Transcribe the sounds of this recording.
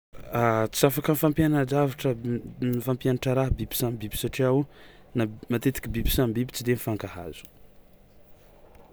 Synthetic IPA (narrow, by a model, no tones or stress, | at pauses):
at͡sizafakənifampjanad͡ʒavaʈ͡ʂənifampjanaʈ͡ʂəɾaɦbibi̥sambibi̥saʈ͡ʂiawnamat̪et̪i̥kʲibibi̥sambibi̥t͡sid̪enifaŋkaha̰z̥u̥